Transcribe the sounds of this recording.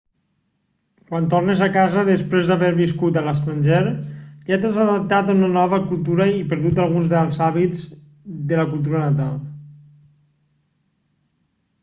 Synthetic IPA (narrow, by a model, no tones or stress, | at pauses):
kwant̪ornezakazəðəspɾezðaβeɾβiskut̪ələst̪ɾanʲʒeɾʎat̪əzaðəp̚t̪at̪əunənɔβ̞əkulˠt̪uɾəipəɾðut̪alˠɣunzðalˠzaβid͡z | d̪ələkulˠt̪̬uɾənat̪alˠ